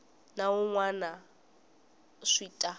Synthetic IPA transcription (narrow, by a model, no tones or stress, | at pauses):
naʊŋwana | ʂiːtʼa